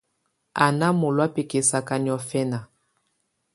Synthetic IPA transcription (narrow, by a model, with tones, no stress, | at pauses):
a˨na˦mo˨lwa˦pe˨ke˨sa˨ka˨ni˨ɔ˨fɛ˦na˨